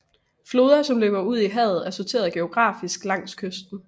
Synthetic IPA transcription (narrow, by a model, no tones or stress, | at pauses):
flo̝ːð̞ˠɐsɒ̽mløːb̥ɐuð̞̰ˠiɦɛð̩ˠæɐsot͡sʰe̝̰ɐðˠɡ̥e̝o̝ɡ̥ʁɑ̰̈ːfisɡ̥lɑ̈ŋ̰skʰøsd̥n̩